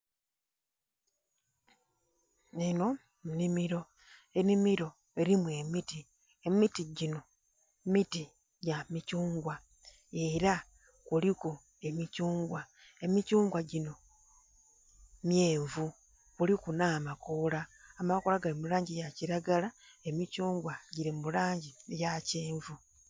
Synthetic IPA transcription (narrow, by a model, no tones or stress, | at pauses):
eno̞ | munimiɾo̞ | e̞nimiɾo̞ | e̞ɾimuwe̞miti | emitiɟino̞ | miti | ɟamicuːŋɡwa | e̞ɾa | kuliko | e̞micuːŋɡwa | e̞micuːŋɡwaɟino̞ | mjeːɱvu | kulikunaːmakolaːmakolaɡalimulaːɲɟijaciɾaɡala | e̞micuːŋɡwaɟiɾimulaːɲɟiejaceːɱvu